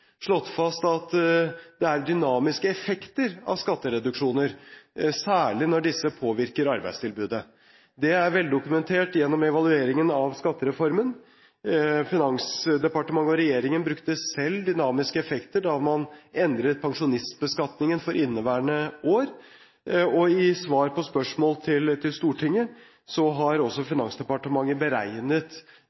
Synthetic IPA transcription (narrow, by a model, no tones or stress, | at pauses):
ʂɭɔt̪ːfɑst̪ɑt̪d̪̥ɛæɾd̪ʏnɑːmɪskəɛfɛkt̪əɾɑ̰ʋskɑt̪ːəɾɛd̪ʉkʂuːnəɾsæːɭɪnɔɖɪsːəpʰoːʋɪɾkəɾɑɾbæ̰ɪd̪st̪ʰɪlbʉːd̪ə | d̪ɛæɾʋɛld̪ʊkʉmɛnt̪ʰeːʈjɛnːɔmɛʋɑlˠʉeːɾɪŋənɑʋskɑt̪ːəɾɛfɔɾmən | fɪnɑŋsd̪ɛpɑʈəmɑŋːəɔɾɛjeːɾɪŋənbɾʉkt̪əsɛlːd̪ʏnɑːmɪskəɛfɛkt̪əɖɑmɑnɛnd̪ɾət̪̚pʰɑŋʂʊnɪst̪bəskɑt̪nɪŋənfɔɾʔɪnːəʋæːɳəoːɾ | ɔɪsʋɑːɾpɔspœʂmoːlt̪ʰɪlt̪ʰɪlst̪uːʈʰɪŋːə | sɔɦɑɾɔsːɔfɪnɑŋsd̪ɛpɑʈəmɑŋːəbəɾæɪnət̪